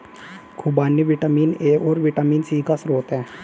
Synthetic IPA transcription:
kʰʊbaːniʋɪʈəmiːneːʔoːɾʋiʈamiːnsiːkasɾoːt̪ɦɛ̃ː

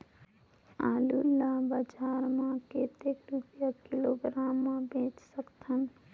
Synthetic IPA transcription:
aːlulːabad͡ʒaːɾmãket̪ekɾut̪jakɪloːɡɾaːmːãbẽːt͡ʃsəkt̪ʰən

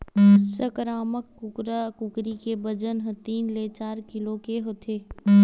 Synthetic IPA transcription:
səkɾaːməkːʊkɾakʊkɾikebəd͡ʒənɦə̃t̪iːnleːt͡ʃaːɾkɪlokeɦot̪ʰeː

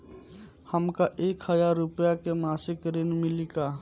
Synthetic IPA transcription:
həmkaʔeːkhəjaːɾːʊpjakemaːsɪkɾɪnmɪlikaː

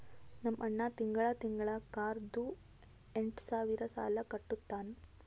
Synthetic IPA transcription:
nɐmʔɐɳːɐt̪iŋɡɐɭɐt̪iŋɡɐɭɐkaːɾd̪u | eɳʈsaːʋiɾɐsa̰ːlɐkɐʈːut̪ːaːn

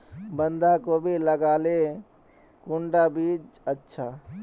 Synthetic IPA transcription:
bənd̪ʱakobʱiləɡaːle | kʊɳɖabiːd͡ʒətːʃʰa

